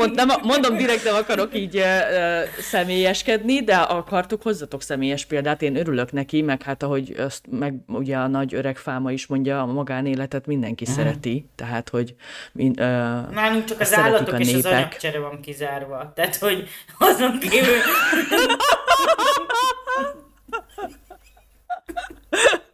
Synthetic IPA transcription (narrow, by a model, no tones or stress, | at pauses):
mont̪nɛmɒmo̞nd̪o̞md̪iɾɛkt̪ɛmɒkɒɾo̞kiːɟø | sɛmeːjɛʃkɛd̪nid̪ɛʔɒkɒrt̪o̞kho̞zːɒt̪o̞ksɛmeːjɛʃpeːld̪aːt̪eːnø̞ɾylø̞knɛkimɛkhat̪ɒɦo̞ɟɒst̪mɛɡuɟɛɒnɒɟøɾɛkfaːmɒiʃmo̞ɲɟɒmɒɡaːneːlɛt̪ɛt̪mind̪ɛŋkisɛɾɛt̪it̪ɛɦaːt̪ho̞ɟmiønaːnuŋt͡ʃɒkɒszaɛːɾɛlːɒt̪iokɒenʃeːzpɛkt͡ʃɛɾɛvɒŋkizaːrʋɒt̪aːt̪ho̞ɟɒzonk̪eːvyl